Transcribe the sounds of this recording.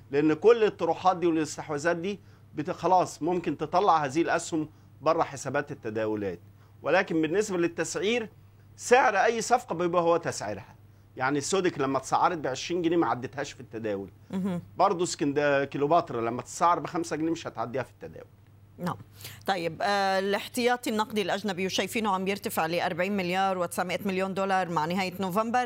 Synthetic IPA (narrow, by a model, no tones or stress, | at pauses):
leʔenːkolːet̪ˤːoɾuːħɑːt̪d̪iːwellest̪eħwæzæːt̪̚d̪iː | bet̪xɑlɑːsˤmomkent̪et̪ˤɑlːɑʕhæːziːelʔæshom | bɑrˤːɑħesæbæːt̪et̪ːæd̪æːwolæːt̪̚ | welæːkembenːesbælet̪ːæsʕiːɾ | seʕeɾʔæjːsˤɑfqɑbebuːhowːæt̪æsʕḛɾhæ | jaʕnisːoːd̪eklæmːæt̪sˤɑ̰ʕːɑɾˤet̪̚beʕeʃɾiːnɡneːmæʕad̪ːet̪hæːʃfit̪ːæd̪æːwelɦ̩bɑɾˤd̪ˤoskɪnd̪ækilobɑːt̪ɾˤɑlæmːæt̪sˤɑʕːɑɾˤbɪxæmsæɡneːmɪʃhæt̪ʕad̪ːiːhæfi̥t̪ːæd̪æ̰ːwʊl | naʕmt̪ˤɑjːɪblɪħt̪ɪjɑːt̪ˤinːɑqd̪ˤilʔæʒnæbiwʃæjfiːnuʕambjɪɾt̪afɪʕleːʔɑɾˤbaʕiːnmɪljɑːɾˤwɪt̪ɪ̥saʕmɪʔæt̪mɪljoːnd̪olɑɾˤmaʕnɪɦæːjɪnovambɑɾˤ